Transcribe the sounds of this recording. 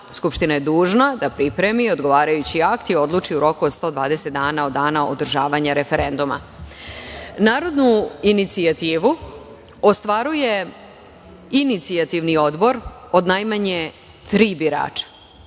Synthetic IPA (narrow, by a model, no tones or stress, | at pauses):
skupʃt̪inajed̪uːʒnad̪apɾipɾe̞mio̞d̪ɡo̞ʋaːɾajut͡ɕiakt̪io̞d̪lˠuːt͡ʂiuɾo̞kuod̪st̪o̞ːd̪ʋaːd̪ese̞t̪̚d̪aːnaod̪aːnao̰d̪r̩ʒaːʋaɲaɾe̞feɾe̞nd̪uma̰ | naːɾo̞d̪nuinit̪siat̪iːʋu | ost̪ʋaɾuje̞ | init̪siat̪iʋnio̞d̪bo̞ɾ | o̞d̪najmaɲe | t̪ɾiːbiɾa̰ːt͡ʂḁ